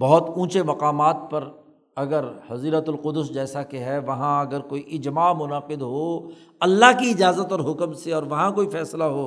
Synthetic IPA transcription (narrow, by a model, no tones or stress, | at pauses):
bɐɦʊt̪ũːt͡ʃemɐqaːmaːt̪̚pɐɾ | ɐɡəɾhɐziːɾət̪ʊlqʊd̪ʊsd͡ʒɛːsakeɦɛʋɐɦãɐɡəɾkoːiʔɪd͡ʒmaːmʊnaːqɪd̪ɦo | ɐlːaɦkiɪd͡ʒaːzət̪ɔːɾɦʊkəmseɔːɾʋɐɦãkoːifɛːslaɦoː